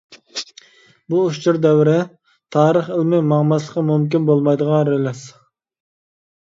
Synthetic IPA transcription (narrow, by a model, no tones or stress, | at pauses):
buːʃt͡ʃuɾd̪ɛwɾɪ | t̪ʰɑːɾəχəlˠmɪmɑʁmɑslˠəqɑmumk̬ʲinbolˠmɑjd̪əʁɑɾelɛs